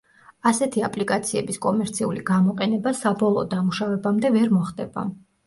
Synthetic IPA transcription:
asɛt̪ʰiapʼlikʼat̪sʰiɛbiskʼɔmɛɾt̪sʰiuliɡamɔqʼɛnɛbasabɔlˠɔd̪amuʃavɛbamd̪ɛvɛɾmɔχd̪ɛb̥a̰

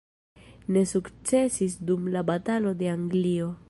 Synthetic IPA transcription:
ne̞sukt͡se̞sis̬dumlabatalo̞de̞aŋɡlio̞

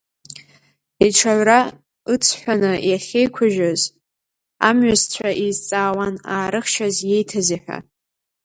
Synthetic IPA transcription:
iʈ͡ʂʰaɥra | ɨt͡sʷʰħʷᶣanɨjaχʲe̞jkʷʰʊʒᶣaz | a̰mɥazt͡ɕʷʰaʔizt͡sʼaːwanaːɾɨχʃazje̞jtʰaziħʷᶣa̰

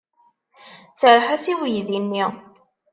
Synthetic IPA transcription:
səɾˤħæsiwjðinːi

